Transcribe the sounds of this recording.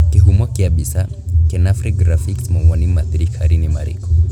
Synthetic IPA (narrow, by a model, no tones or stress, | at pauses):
kihumɔkiaɓisa | kɛnafɾikɡɾafiksmɔwanimaθɾikʰaɾinima̰ɾḭkɔ̥